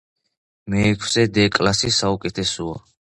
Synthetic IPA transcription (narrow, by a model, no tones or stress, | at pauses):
mɛːkʰsɛd̪ɛkʼlasisaukʼɛt̪ʰɛsɔa̰